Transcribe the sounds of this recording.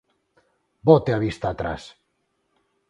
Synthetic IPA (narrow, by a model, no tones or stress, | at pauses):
bɔt̪eaβist̪aːt̪ɾa̰s